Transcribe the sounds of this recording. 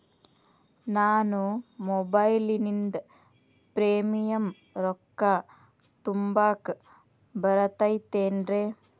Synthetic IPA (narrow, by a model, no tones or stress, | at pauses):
naːnumɔbɐjlinind̪ | pɾeːmijɐm | ɾɔkːa | t̪umbaːk | bɐɾɐt̪ɐjt̪eːnɾeː